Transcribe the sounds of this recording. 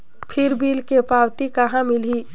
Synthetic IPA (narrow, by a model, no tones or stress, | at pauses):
pʰɪɾbiːlkepaːwt̪ikɐɦãmɪliː